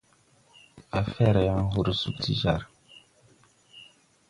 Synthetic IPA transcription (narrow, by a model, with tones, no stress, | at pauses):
a˨fɛ˦ɾja˦n˦ɦu˦˨ɾsu˦kti˦ʒa˦˨ɾ